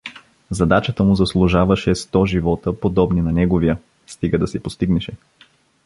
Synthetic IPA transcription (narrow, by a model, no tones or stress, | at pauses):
zɐd̪at͡ʃət̪əmʊzɐslˠuʒavɐʃɛst̪ɔʒivɔt̪əpod̪ɔbninɐnɛɡoviə | st̪iɡəd̪ɐsɛpost̪iɡnɛʃɛ